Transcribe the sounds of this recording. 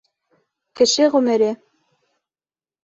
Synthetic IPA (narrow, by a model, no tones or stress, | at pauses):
kɘ̆ʃɘʁɵmɘ̆ɾɘ